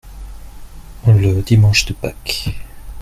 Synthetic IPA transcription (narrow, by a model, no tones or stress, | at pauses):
ləd̪imɑ̃ʃd̪əpak